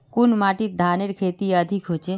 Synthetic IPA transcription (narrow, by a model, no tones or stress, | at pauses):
kunmaʈit̪̚d̪ʱaneɾkʰet̪iəd̪ʱikɦot͡ʃʰe